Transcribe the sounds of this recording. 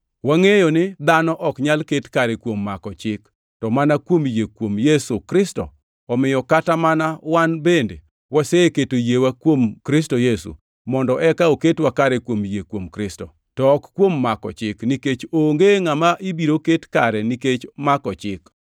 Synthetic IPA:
waŋejonɪd̪anɔʔɔkɲalketkaɾɛkwomːakɔt͡ʃɪk | tɔmanakwomjekwomjesukɾɪstɔ̰ | ɔmɪjɔkatamanawanbendḛ | waseketojewakwomkɾɪstojesṵ | mɔndɔʔɛkaoketwakaɾɛkwomjekwomkɾɪstɔ̰ | tɔːkkːwomːakɔ̰t͡ʃɪkniket͡ʃoŋɡeŋamaʔibiɾoketkaɾɛniket͡ʃmakɔt͡ʃɪk

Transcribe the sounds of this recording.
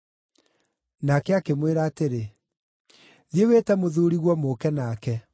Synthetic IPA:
nakɛakemweɾaːteɾe | ðjeweːtɛmoðuɾiɣwɔmokɛnaːkɛ

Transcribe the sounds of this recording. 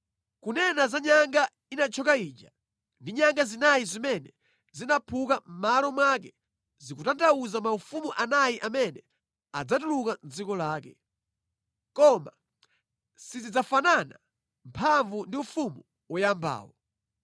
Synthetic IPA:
kunɛnazaɲaŋɡa | inat͡ʃʰɔkaiːd͡ʒa | ndiɲaŋɡazinajizimɛnɛ | zinapʰukam̩malɔmwak̬ɛ | zikutantʰauzamaufumuʔanajiʔamɛnɛ | ad͡zat̬ulukand͡zikɔlaːkɛ | kɔma | sizid͡zafanana | mpʰaɱvundiufumu | wɔjamba̰ːwɔ

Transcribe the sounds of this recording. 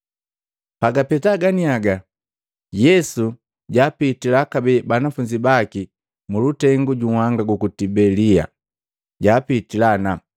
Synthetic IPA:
paɡapɛtaɡaniaɡa | jɛsu | ɟaːpitilakabɛbanafuɲd͡ʒibaki | mulutɛŋɡuɟuhwaŋɡaɡukutibɛlia̰ | ɟaːpitilana

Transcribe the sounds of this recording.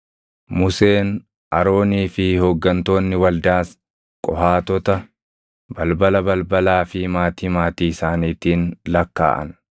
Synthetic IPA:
mʊseːn | ʔɐɾo̞ːniːfɪhɔɡːɐnt̪o̞ːnːɪwɐld̪aːs | kʼɔhaːt̪ɔt̪ɐ | bɐlbɐlɐbɐlbɐlaːfɪmaːt̪iːmaːt̪iːɪsaːniːt̪iːnlɐkːa̰ːʔɐ̰n

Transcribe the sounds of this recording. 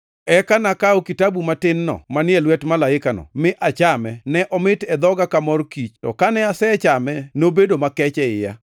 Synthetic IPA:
ɛkanakaokitabumatɪnːɔ̰manɪɛlwɛtmalaɪkanɔ̰mɪʔat͡ʃamɛnɛʔɔmɪtɛd̪ɔɡakamɔrkit͡ʃtɔ̰kanɛasɛt͡ʃamɛnobedomakɛt͡ʃɛɪja̰

